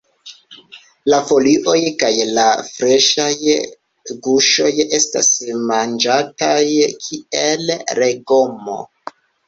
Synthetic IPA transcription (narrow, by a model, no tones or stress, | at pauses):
lafo̞liʔo̞jkajlafɾe̞ʃaj | ɡuʃo̞je̞sta̰smand͡ʒatajkʰielɾe̞ɡo̞mo̰